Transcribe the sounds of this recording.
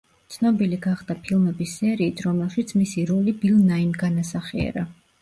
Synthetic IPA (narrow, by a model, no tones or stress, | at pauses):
t̪sʰnɔbiliɡaχd̪apʰilˠmɛbisːɛɾiːt̪ʰɾɔmɛlˠʃit̪sʰmisiɾɔlibilˠnainɡanasaχiɛ̰ɾa